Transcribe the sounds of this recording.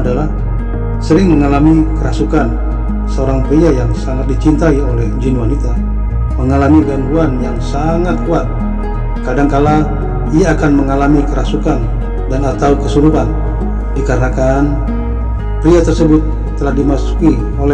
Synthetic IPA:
adalah | səɾɪŋməŋalamikəɾasukan | səoɾaŋpɾiajaŋsaŋat̪̚dit͡ʃint̪aiolɛhd͡ʒinuanit̪a | məŋalamiɡanduanjaŋsa | ŋat̪̚kuat̪̚ | kadaŋkala | iaːkanməŋalamikəɾasukan | danat̪aukəsuɾuɦan | dikarənakan | pɾiat̪ərsəbʊt̪ː | əlahdimasu̥ki | olɛ

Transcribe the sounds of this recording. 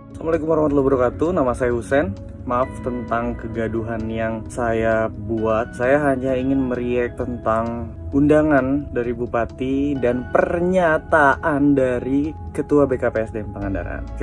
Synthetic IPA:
samalakumaɾmat̪lobəɾokat̪unamasajaɦusɛn | maft̪ənt̪aŋkəɡaduɦanjaŋsajabuat̪̚sajaɦaɲaiŋɪnməɾiɛt̪ənt̪aŋ | undaŋandaɾibupat̪idanpərɲat̪aʔandaɾikət̪uabekapeɛsdɛnpəŋada̰ɾa̰nk

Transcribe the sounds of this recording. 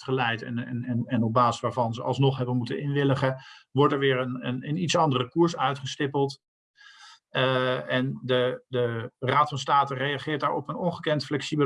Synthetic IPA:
χəlɛjtɛ̰nɛɛnɛnɔb̚baːsəsʋaːɹvɑnzəʔɑlˠsnɔχɦɛbənmutənɪnʋɪləχəʋɔɹtɛɹʋɪːɹənənənitsɑndərəkuɹsœɥtχəstɪpəlˠt | ɛndədəraːtfɑnstaːtərejɑχɪːɹtdaːɹɔpənɔnχəkɛntflɛksibə

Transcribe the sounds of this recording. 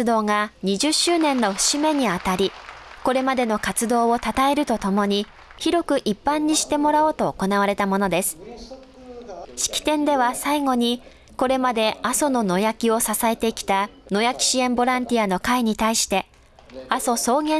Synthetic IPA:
ɨd̪o̞ːŋaɲ̟iʑɨɕːɨːnẽ̞nːo̞ɸɯ̥ɕime̞ɲ̟iat̪aɾʲiko̞ɾe̞mad̪e̞no̞kat͡sɨd̪o̞ːot̪at̪ae̞ɾɯ̟t̪o̞t̪o̞mo̞ɲ̟i | çiɾo̞kɯ̟ʔipːãɲ̟ːiɕi̥t̪e̞mo̞ɾao̞ːt̪o̞ːko̞naβ̞aɾe̞t̪amo̞no̞d̪e̞sɨ̥ | ɕi̥kʲi̥t̪ẽ̞nd̪e̞β̞asaiŋo̞ɲ̟i | ko̞ɾe̞mad̪e̞aso̞no̞no̞jakʲio̞sasae̞t̪e̞kʲi̥t̪ano̞jakʲi̥ɕiẽ̞mbo̞ɾãnt̪ʲiano̞kaiɲ̟it̪aiɕi̥t̪e̞ | aso̞so̞ːɡẽ

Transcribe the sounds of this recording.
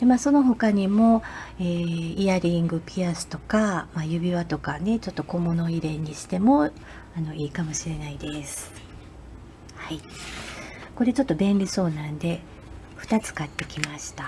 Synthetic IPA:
d̪̥e̞maːso̞no̞ɦo̞kaɲ̟imo̞eːijaɾʲiŋɡɯ̟pʲiasɨ̥t̪o̞kamajɯ̟bʲiβat̪o̞kane̞t͡ɕo̞t̪ːo̞ko̞mo̞no̞iɾẽ̞ɲ̟ːiɕi̥t̪e̞mo̞ | ano̞iːkamo̞ɕiɾe̞naid̪e̞sɨ̥ | hai | ko̞ɾe̞t͡ɕo̞t̪ːobẽ̞nɾʲiso̞ːnãnd̪e̞ | ɸɯ̟̥t̪at͡sɨ̥kat̪ːe̞kʲimaɕi̥t̪a

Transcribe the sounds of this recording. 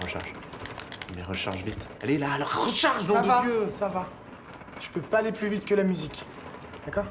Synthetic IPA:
ʁəʃa̰ʁʒ | mɛʁəʃa̰ʁʒvit̪ | ɛlelaːlɔʁːəʃaʁʒdsad̪vajøsava | ʒ̥ə̥pøpaːleplyvit̪kəlamyzikʲd̪̥akɔːʁ

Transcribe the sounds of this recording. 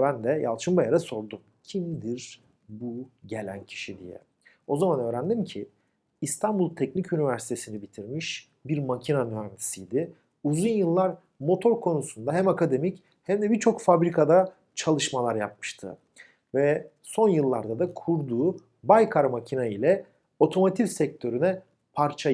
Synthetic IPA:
vænd̪ɛja̰lˠt͡ʃʰɯmbajaɾaso̞ɾd̪um | cʰimd̪iɾ | buɟe̞lʲæ̰ncʰi̥ʃid̪ḭjɛ̰ | o̞zamanø̞ːɾænd̪imcʰi | ist̪ʰambulˠt̪ʰɛc̚nicʰynivæɾsi̥t̪ʰe̞sinɛbit̪ʰiɾmiʃ | biɾmacʰinanyvænt̪ʰi̥sijd̪ɪ | uzujnjɯlˠːaɾ | mo̞t̪ʰo̞ɾkʰo̞nusund̪aɦæmakad̪e̞mic | hæmd̪ɛbit͡ʃʰo̞kfabɾikʰad̪a | t͡ʃʰalˠɯʃmalˠaɾja̰p̚mɯ̥ʃt̪ʰɯ̰ | vɛ | so̞njɯlˠːaɾd̪ad̪akʰuɾd̪uː | bajkʰaɾmacʰinailʲɛ | o̞t̪ʰo̞mot̪ʰilʲsɛc̚t̪ʰø̞ɾynɛ | pʰaɾt͡ʃʰa

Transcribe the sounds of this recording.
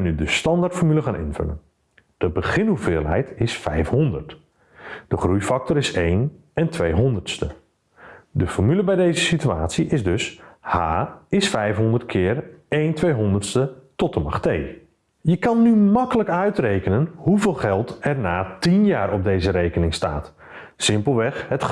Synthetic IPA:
nydəstɑndaɹrtfɔrmyləχaːnʔɪ̰nvɵ̰lə̰n | d̥əbəχɪnuvɪːlˠɛ̰jtɪsfɛjfɦɔndərt | d̥əχrujfɑk̚tɔɾɪsejn | ɛntʋejɦɔndərtstə | dəfɔrmyləbɛjdejzəsityaːtsiʔɪzdɵshaːɪsfɛjfɦɔndərt̚kʰɪːrejntʋejɦɔndərtstətɔt̚əma̰χtej | jəkɑnːymɑkələkœɥtrejkənənhuvɪːlˠχɛlˠtɛrnaːtinjaːɾɔb̚dejzəɾejkənɪŋsta̰ːt | sɪmpəlˠʋɛxhət

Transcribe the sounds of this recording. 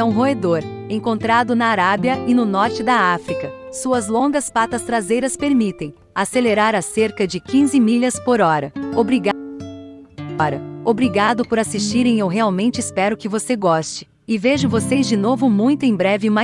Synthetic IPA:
ũɦoed̪oɾ | ẽŋkõnt̪ɾad̪ʊnɐːɾabjɐʔɪnʊnɔɾt͡ʃɪd̪ɐafɾikɐsuɐzlõŋɡɐspat̪ɐst̪ɾazejɾɐspeɾmit̪ẽj̃ | aseleɾaɾaseɾkɐd͡ʒɪkĩzɪmiʎɐspoɾɔɾɐobɾiɡa | ɾɐobɾiɡad̪ʊpoɾasist͡ʃiɾẽj̃ewɦeawmẽnt͡ʃɪspɛɾʊkɪvoseɡɔst͡ʃɪ̥ | ɪveʒʊvosejzd͡ʒɪnovʊmũj̃t̪ʊẽj̃bɾɛvɪma

